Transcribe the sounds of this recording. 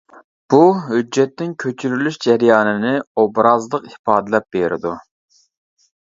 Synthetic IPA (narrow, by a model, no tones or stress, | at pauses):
b̥uɦyd͡ʒːɛt̪ːɪŋkʲʰøt͡ʃʰyɾylyʃd͡ʒɛɾjɑːnɨnɪobɾɑzlˠəqipɑːd̪ɨlɛp̚b̥eɾɪ̰d̪u